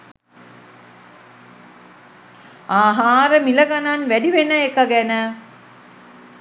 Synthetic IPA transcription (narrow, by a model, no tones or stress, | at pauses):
aːɦaːɾəmilɐɡananʋæɖiʋenəekːɐɡɛnə